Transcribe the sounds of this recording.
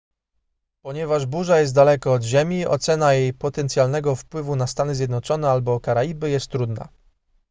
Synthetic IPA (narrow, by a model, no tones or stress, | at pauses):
pɔɲɛvaʐbuʐajɛs̬t̪d̪alɛkɔːd̪ʑemʲiʔɔ̰t̪sɛnajejpɔt̪ɛnt̪sʲjalnɛɡɔfpwɘvunast̪anɘzʲjɛd̪nɔt͡ʂɔnɛalbɔkaɾaibɘjɛst̪ːɾud̪na̰